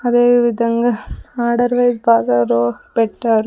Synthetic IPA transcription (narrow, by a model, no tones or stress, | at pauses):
ɐd̪eːʋid̪ʱɐŋɡɐaːɾɖɐɾʋɐjzbʱaːɡɐɾoːpɛʈʈːaːɾu